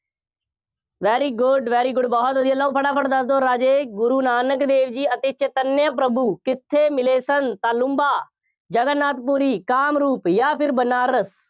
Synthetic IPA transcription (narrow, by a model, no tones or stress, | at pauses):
ʋɛːɾiːɡʊɖʋɛːɾiːɡʊɖbɔːt̪ɦod̪iːəlːaːũːpʰəɽaːpʰəʈd̪əsd̪oːɾaːd͡ʒeːɡʊɾuːnaːnəkd̪eːʋd͡ʒiːət̪eːt͡ʃet̪ənjaːp̬ɾəbuːkɪt̪ʰːeːmɪleːsənt̪aːlʊ̃mbaː | d͡ʒəɡənːaːt̪puːɾiːkaːmɾuːpjaːpʰɪɾbənaːɾəs